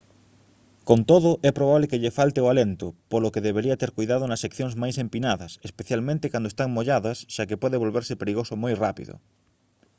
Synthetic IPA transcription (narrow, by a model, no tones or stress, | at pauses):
kont̪oðoʔɛpɾoβ̞aβlekeʎefalt̪eoalent̪opolokeðeβ̞eɾiat̪eɾkujðaðonasːekθjoŋzmajsempinaðɐsespeθjalmẽnt̪ekwand̪oest̪aŋmoʎaðasʃakepweðeβ̞olβeɾsepeɾiɣ̞osomojrapḭðo̰